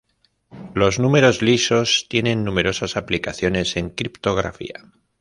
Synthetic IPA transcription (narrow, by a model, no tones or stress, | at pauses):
lo̞znume̞ɾo̞zliso̞st̪je̞nẽ̞nːume̞ɾo̞sasaplikaθjo̞ne̞se̞ŋkɾipt̪o̞ɣɾa̰fḭa̰